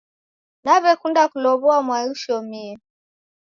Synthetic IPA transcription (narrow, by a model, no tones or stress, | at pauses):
naβɛkundakulɔβɔamwajuʃɔmiɛ